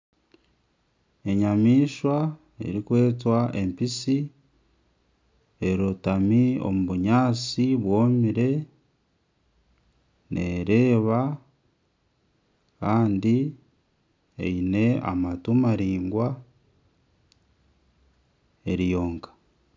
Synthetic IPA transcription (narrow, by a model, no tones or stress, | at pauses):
e̞ɲamiːʃwa | ḛɾikwe̞ːtwaʔe̞mpisi | e̞ɾotamio̞̰muβuɲaːt͡siβwo̞ːmiɾe̞ | nʔḛɾe̞ːβa | kaːndi | eine̞a̰matumaɾiːŋɡwa | eɾijo̞ːŋkḁ